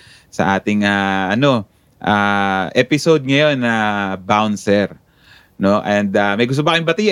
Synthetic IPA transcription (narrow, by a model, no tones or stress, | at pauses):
sɐ̰ʔaːt̪ɪŋaʔɐno̞ | ʔaːʔɛpɪsod̪̚ŋɐjo̞nːɐbawnsɛɾ | no̞ʔɛnd̪amɐjɡʊst̪obɐkɐjʊ̃mbɐt̪i